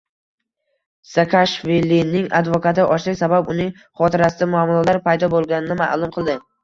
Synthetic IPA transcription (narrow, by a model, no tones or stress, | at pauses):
sakʰaʃvilinɪŋa̰d̪vokat̪ɪʔɒʃlɪkʲsababʊnɪŋ | χɒt̪ʰɪɾasɪd̪amʊamːlˠɒlaɾpʰajd̪ɒbolˠɡʲanɪnɪma̰lˠʊmqʰɨlˠd̪ɪ